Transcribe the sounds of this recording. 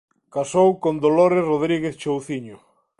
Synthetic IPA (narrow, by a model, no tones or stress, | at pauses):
kasowkond̪oloɾesroð̞ɾiɣeθt͡ʃowθiɲo